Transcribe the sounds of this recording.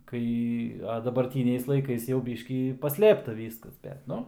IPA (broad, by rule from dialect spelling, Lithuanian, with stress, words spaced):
ˈkɐɪ ɐ dɐbɐrʲˈtʲiːnʲɛɪs lˠɐɪˈkɐɪs jɛʊ ˈbʲiːʃʲkʲiː pɐˈsʲlʲeːptɐ ˈʋʲiːskɐs bʲɛt ˈnʊ